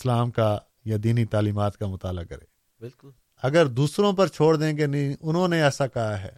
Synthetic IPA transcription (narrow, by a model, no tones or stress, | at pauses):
slaːmka | jad̪iːnit̪aːliːmaːt̪kamʊt̪aːlakɐ̰ɾḛː | bɪlkʊ | ɐɡəɾd̪uːsɾõp̬ɐɾt͡ʃʰoːɽd̪ẽːɡenɐĩʔʊnɦõneɛːsakɐɦaɦɛ̰ː